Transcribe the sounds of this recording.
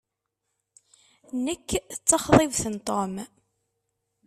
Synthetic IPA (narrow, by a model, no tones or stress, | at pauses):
nəkːθət͡sːɑχðˤɪvθənt̪ˤom